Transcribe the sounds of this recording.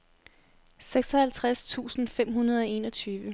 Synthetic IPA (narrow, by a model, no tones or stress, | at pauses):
seɡ̥sɒ̽hælt͡sʰʁast͡sʰṵːsn̩fem̰ɦunɐð̞ˠɒ̽e̝ːnʌt͡sʰyːʋə